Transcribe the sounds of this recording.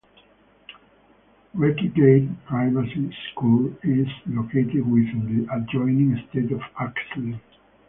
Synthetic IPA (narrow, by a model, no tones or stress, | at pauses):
wɛkiɡeɪdpɹajvasiskulizlokʰet̪ɪdwiðd̪iʔad͡ʒɔ̃ɪnĩŋst̪et̪ɔvaksl